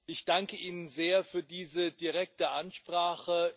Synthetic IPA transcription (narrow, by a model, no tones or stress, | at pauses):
ʔɪçd̥aŋkəʔiːnənzeːɐfyːɐdiːzədiʁɛk̚təʔanʃpʁ̥aːχə